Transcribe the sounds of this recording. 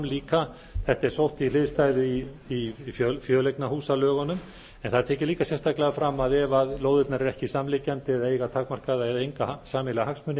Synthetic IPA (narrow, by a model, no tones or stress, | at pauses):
mliːka | θɛht̪aɛɾ̥sowht̪ilɪːðst̪aːjðʏi | iffjœːlejknahuːsalœːɣanʏm | ɛnθaðt̪ʰɛːcɪliːkasjɛst̪ʰaklɛɣafɾamːaðɛvaðloːwðɪt̪naɾɛɾɛhcɪsaːmlicant̪ɪðaejɣat̪ʰaːkmar̥kaðaɛðejŋkasaːmɪlahaksmʏnːɪ